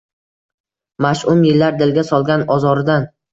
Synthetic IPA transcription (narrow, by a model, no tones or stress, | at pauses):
maʃʊmjɪlːaɾd̪ɪlɡʲasɒlˠɡʲanɒzɒɾɪd̪an